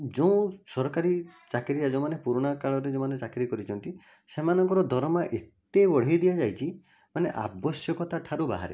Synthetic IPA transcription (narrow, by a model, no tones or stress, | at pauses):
d͡ʒoũsɔɾɔkaɾit͡ʃakɾiad͡ʒɔmanepuɾuɽ̃akaɭɔɾed͡ʒomanet͡ʃakɾikɔɾit͡ʃʰɔnt̪i | semanɔŋkɔɾɔd̪ʱɔɾɔmaʔet̪ebɔɽ̤id̪iad͡ʒajt͡ʃʰi | maneʔa̰bɔsjɔkɔt̪aʈʰaɾuba̰ɦa̰ɾḛ